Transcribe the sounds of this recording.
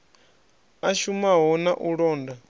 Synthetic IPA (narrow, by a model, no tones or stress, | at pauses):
aʃumaɦɔnaʔuɺɔːnda